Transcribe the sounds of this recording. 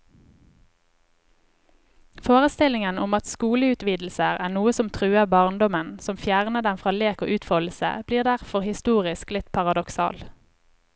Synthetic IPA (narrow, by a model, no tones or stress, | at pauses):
foːʁəst̪ɪlɪŋənʊmɑt̪skuːləʉːt̪ʋiːd̪l̩səʁæːʁnuːəsɔmt̪ʰʁʉːəbɑːʁnd̪ɔmənsɔmfjæːʁnəd̪ɛmfʁɑːleːko̰ːʔʉːt̪fɔl̩sə̰b̥liːʁd̪æʁfɔʁhɪst̪uːʁɪsklɪt̪pʰɑʁɑd̪ɔksɑ̰ːl